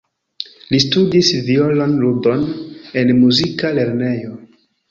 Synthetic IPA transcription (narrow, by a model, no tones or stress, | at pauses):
listudisviolonlubo̞ne̞nmuzikale̞ɾne̞jo̞